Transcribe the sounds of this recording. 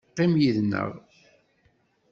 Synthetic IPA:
qːimjiðnə̰ʁ

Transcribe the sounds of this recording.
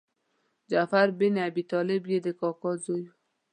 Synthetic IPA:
d͡ʒafaɾbinabit̪ɔlebjed̪ekɔkɔzoju

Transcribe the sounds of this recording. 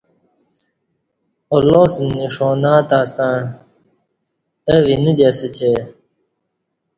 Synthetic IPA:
oloːsniʂonaːt̪aːst̪ãɳ | əvinid̪esət͡ɕe

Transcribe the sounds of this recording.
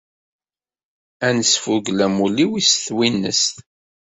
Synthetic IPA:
ænəsfuɡlæmuliwisθwinːə̰sθ

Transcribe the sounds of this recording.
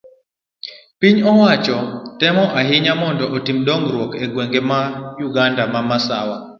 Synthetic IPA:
piɲɔwat͡ʃɔtɛmɔʔaɦɪɲamɔndɔʔotimdɔŋɾwɔkeɡwɛŋɡemajuɡandamamasa̰wa

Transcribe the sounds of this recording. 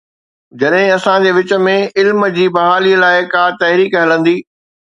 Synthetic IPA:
d͡ʑɐɗɦɪ̃ɐsãd͡ʑeːʋɪt͡ɕə̆mẽɪlmd͡ʑiːbɐɦaːliəlaːɪkaːt̪ɐɦɾiːkɦɐlə̃nd̪iː

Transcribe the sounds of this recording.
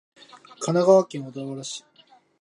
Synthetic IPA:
kʰanaɡaβakʲẽɰ̃ad̪oβaɾaɕi̥

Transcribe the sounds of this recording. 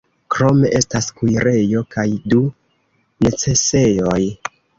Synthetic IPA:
kɾo̞me̞ʔe̞staskujɾe̞jo̞kajdu | ne̞t͡se̞se̞joj

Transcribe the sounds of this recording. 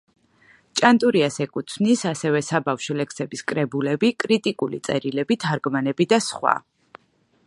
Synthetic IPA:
t͡ʃʼant̪ʼuɾiasɛkʼut̪sʰvnisasɛvɛsabafʃɔlɛksɛbiskʼɾɛbulɛbikʼɾit̪ʼikʼulḭt̪sʼɛ̰ɾilɛbit̪ʰaɾɡmanɛbid̪asχwa̰

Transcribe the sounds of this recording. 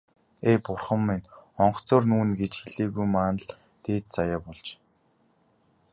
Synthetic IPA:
eːpʊrχə̆mːinɔɴɢ̆ʰt͡soːrnuːnɡet͡ɕxeɮeːɣujmaːnə̆ɮ | t̪eːt̪t͡sajaːpɔɮt͡ɕ

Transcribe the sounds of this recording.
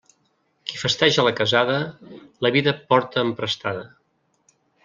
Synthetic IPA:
kifəst̪ɛʒələkəzaðələβiðəpɔɾt̪əːmpɾəst̪aðə

